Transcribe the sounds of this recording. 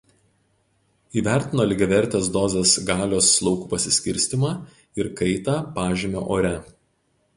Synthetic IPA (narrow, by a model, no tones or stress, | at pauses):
iːʋʲæˑɾʲt̪ʲɪnoːlʲɪɡʲɐʋʲɛɾʲˑt̪ʲeːs̬d̪ɔːzʲɛsɡɑːlʲoːsːlˠɔʊkuːpɐsʲɪsʲkʲɪɾʲsʲt̪ʲɪmɑː | ɪɾkɐɪt̪ɑːpɑːʒʲeːmʲo̰ːʔoːɾʲɛ